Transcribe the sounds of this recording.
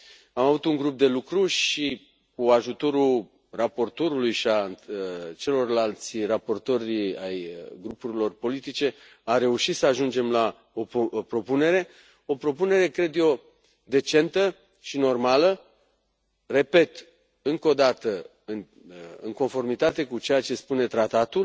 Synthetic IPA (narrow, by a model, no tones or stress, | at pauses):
amavut̪uŋɡɾup̚d̪e̞lukɾuʃi | kuaʒut̪o̞ɾu | rapo̞rt̪o̞ɾulujʃiant͡ʃe̞lo̞rlalt̪sirapo̞rt̪o̞ɾʲajɡɾupuɾilo̞rpo̞lit̪it͡ʃe̞ | are̞uʃit̪səaʒund͡ʒe̞mla | o̞pɾo̞pune̞ɾe̞ | o̞pɾo̞pune̞ɾe̞kɾe̞d̪jo̞ | d̪e̞t͡ʃe̞nt̪ə | ʃino̞rmalə | re̞pe̞t̪ | ɨŋko̞d̪at̪ə | ɨn | ɨ̰ŋko̞nfo̞rmit̪at̪e̞kut͡ʃe̞jat͡ʃe̞spune̞t̪ɾat̪at̪ul